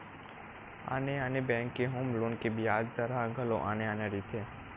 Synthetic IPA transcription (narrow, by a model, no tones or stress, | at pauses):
a̰ːneaːnebɛ̃ːŋkːeɦoːmloːnkebʱiaːd͡ʒt̪əɾaɡʱəlo̰ʔaːneaːneɾit̪ʰe